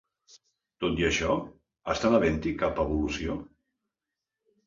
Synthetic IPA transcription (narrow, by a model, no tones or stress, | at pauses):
t̪ot̪iəʃɔ | əst̪anaβɛnt̪ikapəβulusio